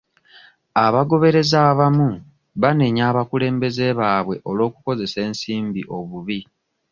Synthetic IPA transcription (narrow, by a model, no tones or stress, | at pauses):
aβaɡo̞βe̞ɾe̞zaːβamu | βaneɲaːβakule̞ːmbe̞ze̞βaːβwe̞ʔo̞lwo̞ːkuko̞ze̞se̞ːnsiːmbiʔo̞βuβi